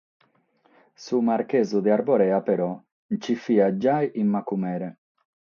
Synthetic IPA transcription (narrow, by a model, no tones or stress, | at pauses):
sumaɾkezud̪eaɾboɾeapeɾɔ | nt͡ʃifiad͡ʒajʔimːakumɛɾe